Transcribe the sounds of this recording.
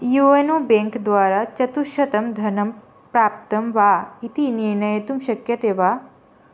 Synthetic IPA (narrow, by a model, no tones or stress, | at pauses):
juenoːbẽŋkd̪ʋaːɾat͡ʃɐt̪uʃɐt̪ɐmd̪ʱɐnɐm | pɾaːp̚t̪ɐmʋaːit̪iniɾɳɐjet̪umʃɐkjɐt̪eʋaː